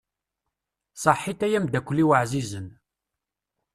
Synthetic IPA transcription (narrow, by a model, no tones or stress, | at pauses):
sˤəħːit̪æjæmd̪ækʷːlːiwəʕzizən